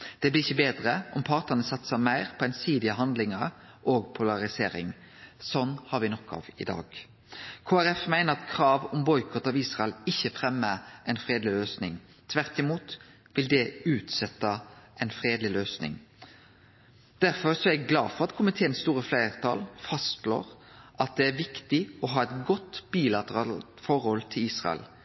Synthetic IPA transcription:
d̪̥ɛblɪɾɪçːəbeːd̪ɾəɔmpʰɑʁt̪ənəsɑt̪səmæɪʁpʰɔɛɪnsiːd̪ɪəɦɑnd̪lɪŋəɾ | ʔoːɡpʰʊlɑʁɪsḛːɾɪ̰ŋ | sɔnːhɑɾʋɪnɔkʰːɑ̰ʋɪd̪ɑ̰ːɡ | kʰoːæɾɛfmæɪnəɾɑt̪kʰɾɑːʋɔmbɔʏkʰɔt̪ɑʋiːsʁɑɛlɪçːəfʁɛmːəʔæɪnfɾeːd̪lɪløːsnɪŋ | t̪ʰʋæʁt̪ɪmuːt̪ | ʋɪld̪ɛʉːt̪sɛt̪ːɑʔɛɪnfɾeːd̪lɪløːsnɪ̰ŋ | d̪̥æɾfɔɾsɔæɡɡlɑːfɔʁɑt̪kʰʊmɪt̪ʰeːnst̪uːɾəflæɪʁt̪ʰɑ̰lfɑst̪lo̰ːʁʔɑt̪̚d̪ɛæɾʋɪkt̪ɪɔɦɑːɛt̪ɡɔt̪b̥iːlɑt̪əʁɑːlt̪fɔɾhɔlt̪ʰɪliːsʁɑ̰ɛ̰l

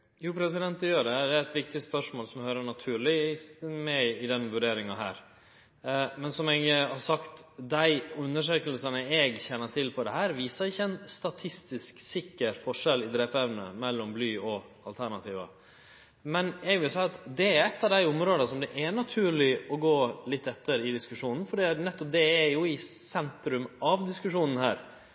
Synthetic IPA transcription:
juːpʰɾɛs̬ɪd̪ɛnt̪ɛjøːɖɛd̪ɛɾɛt̪ʋɪk̚t̪ɪspœʂmoːlsɔmhøːɾəɳɑt̪ʰʉːɭɪmæɪd̪ɛnʋʉɖeːɾɪŋɑɦæ̰ːɾ | mɛnsɔmɛɡhɑsɑkt̪d̪æɪʉnːəʂ̬øːkəlsənəɛːɡçɛnːəʈ̪ʰɪlpʰɔd̪ɛhæːɾʋiːsəɾɪçːəɛnst̪ɑt̪ʰɪst̪ɪsksɪkːəɾfɔʂɛlɪd̪ɾeːpɛʋnə̰mɛlːɔmblyːɔ | ɑlt̪ʰæɳɑt̪ʰiːʋə̰ | mɛnɛɡʋɪlsæɪɑt̪d̪ɛæɾɛt̪ːɑʋd̪æɪʊmɾoːd̪əsɔmd̪ɛʔænɑt̪ʰʉːɾɭɪɔɡoːlɪt̪ːɛt̪ːəɾɪd̪ɪskʉʂuːnn̩fɔɖiːnɛt̪ːɔp̚d̪ɛːjʊɪsɛnt̪ɾʉmɑʋd̪ɪskʉʂuːnən̩hæːɾ

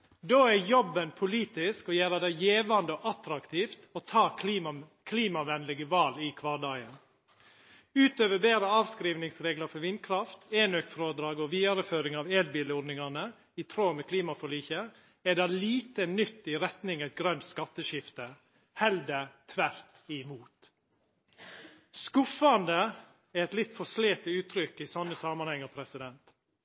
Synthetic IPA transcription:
d̪oːɛjɔbːənpʰʊliːt̪ɪskɔjæːɾɑd̪æɪjeːʋɑnd̪əɔʔɑt̪ɾɑkt̪ʰiːft̪ɔt̪ʰɑː | kʰliːmɑʋɛnlɪɡəʋɑːlɪkʰʋɑːɖɑːɡən | ʉːt̪øːʋəbeːɾəɑːʋskɾiːʋnɪŋsɾeːɡləɾfɔɾʋɪnkʰɾɑft̪eːnøkfɾoːd̪ɾɑːɡɔʋiːd̪ɑɾəføːɾɪŋɑʋeːlbiːləɔɖ̪nɪŋɑnə | ɪt̪ʰɾoːmɛkʰliːmɑfɔɭiːçə | ɛd̪ɑliːt̪ənʏt̪ːɪɾɛt̪nɪŋæt̪̚ɡɾœnt̪skɑt̪ːəʃɪft̪ə | hɛld̪ət̪ʰʋæɾt̪ɪmuːt̪ | skʊfɑnd̪ə | ɛɛt̪lɪt̪fɔsleːt̪əʉːt̪ʰɾʏkɪsɑnːəsɑmɑnhɛŋːɑpʰɾɛsɪd̪ɛnt̪

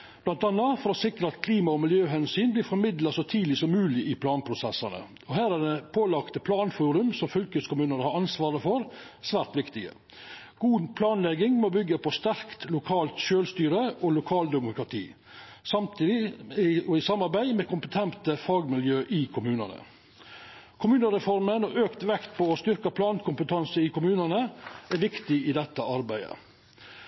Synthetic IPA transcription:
b̥lɑnt̪ɑnːɑfɔɾɔsɪkɾəɑt̪kʰliːmɑɔmɪljøːɦɛnsyːnblɪːɾfɔɾmɪd̪lɑsɔt̪ʰiːd̪lɪsɔmːʉːlɪʔɪpʰlɑːnpʰɾʊsɛsɑnə̰ | ɔɦæːɾɛd̪ɛpʰoːlɑkt̪əpʰlɑːnfuːɾʉmsɔmfʏlkəskʊmʉːnəɾəhɑɾɑnsʋɑːɾəfɔɾ | sʋæːɾt̪ʋɪkt̪ɪɡə̰ | ɡ̥uːpʰlɑːnlɛɡɪŋmɔbʏɡːəpʰɔst̪æɾkt̪lʊkʰɑːlt̪ʃøːlst̪yːɾəɔlʊkʰɑːld̪ɛmʊkɾɑt̪ʰiː | sɑmt̪ʰiːd̪ɪɔɪsɑmːɑɾbæɪmeːkʰʊmpət̪ʰɛnt̪əfɑːɡmɪljøːʔɪkʰʊmʉːnənə̰ | kʰʊmʉːnəɾɛfɔɾmənɔʔøːkt̪ʋɛkt̪pɔːst̪ʏɾkəpʰlɑːnkʰʊmpət̪ʰɑnsəɪkʊmʉːnənəʔæɾʋɪkt̪ɪɪd̪ɛt̪ːəɑɾbæɪə̰

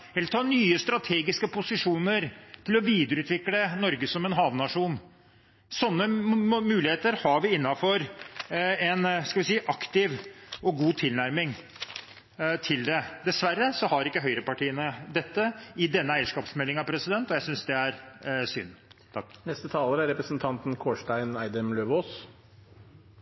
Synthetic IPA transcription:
ɛlt̪ʰɑːnyːəst̪ɾɑt̪ʰeːɡɪskəpʊsɪʂuːnəɾt̪ʰɪlɔʋiːd̪əɾʉːt̪ʰʋɪklənɔɾɡəsɔmɛnɦɑːʋnɑʂuːn | sɔnːəmʉːlɪheːt̪əɾhɑɾʋɪɪnːɑfɔɾ | ɛnskɑʋɪsiːʔɑkt̪ɪʋɔɡuːt̪ʰɪlnæɾmɪŋ | t̪ʰɪld̪ɛd̪ɛsʋærːəsɔhɑɾɪkːəɦœʏɾəpɑʈʰiːənəd̪ɛt̪ːəɪd̪ɛnːəæɪəʂkɑːpsmɛlːɪŋɑpʰɾɛsɪd̪ɛnt̪ɔjæɪsʏnsd̪ɛæɾsʏ̰nːt̪ʰɑkːnɛst̪ət̪ʰɑːləɾæɾɛpɾəsnt̪ʰɑnt̪n̩kʰoːʂʈæɪnæɪd̪əmløːʋoːs

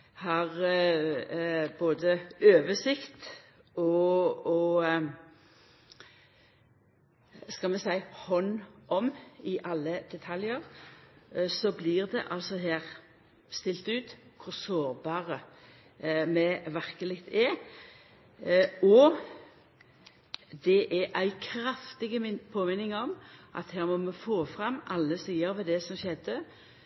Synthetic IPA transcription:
hɑʁ | boːd̪əøːʋəsɪkt̪ | ɔɔ | skɑlmɛsæɪhɔnʔɔmɪʔɑlːəd̪̥ɛt̪ʰɑljəʁ | sɔbliːʁd̪ɛ̰ʔɑlsɔɦæːʁ | st̪ɪlt̪ʉːt̪kʰʊʁsoːʁbɑːʁə | mɛʋæʁkəlɪt̪ʰɛ | ɔ | d̪ɛʔæʔæɪkʰɾɑft̪ɪɡəpʰoːmɪnːɪŋɔmʔɑ̰t̪hæːʁmɔmɛfoːfʁɑmʔɑlːəsiːəɾʋɛd̪ɛsɔmʃɛd̪ə

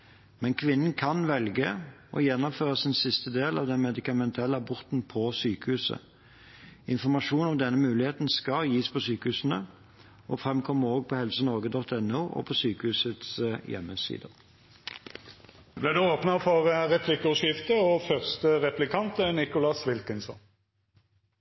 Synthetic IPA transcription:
mɛnkʰʋɪnːənkʰɑnʋɛlɡə | ʔɔjɛnːɔmføːɾʁəsɪnsɪst̪əd̪eːlɑ̰ʋd̪ɛnmɛd̪ɪkɑmɛnt̪ʰɛlːəɑbɔʁt̪npʰɔsyːkəhʉːsə̰ | ɪnfɔʁmɑʂuːnɔmd̪ɛnːəmʉːlɪheːt̪nskɑljiːspʰɔsyːkəhʉːsn̩ə | ʔɔfʁɛmkʰɔmːəʁoːɡ̚pʰɔhɛlsənɔʁɡəd̪ɔt̪ɛnːuːʔɔ̰pʰɔsyːkəhʉːsət̪sjɛ̰mːəsḭːd̪əʁ | blæd̪ʉoːpnɑfɔʁʁɛpʰlɪkːʉʂɪft̪əɔfœʁst̪əʁɛplɪkʰɑnt̪ənɪkʊlɑsʋɪlkənsɔ̰n

